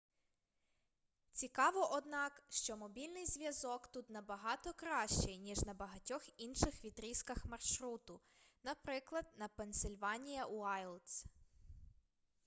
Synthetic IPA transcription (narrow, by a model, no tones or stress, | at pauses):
t͡sʲikɑʋɔʔɔd̪nɑkʃt͡ʃɔmɔbʲilʲnɪjzʲʋʲjɐzɔkt̪ut̪nɐbɐɦɑt̪ɔkɾɑʃt͡ʃɛjnʲiʒnɐbɐɦɐtʲɔxinʃɪxʋʲit̪ɾʲiskɐxmɐrʃɾut̪ʊ | nɐpɾɪklˠɐd̪nɐpensɪlʲʋɑnʲijɐʔuajlˠs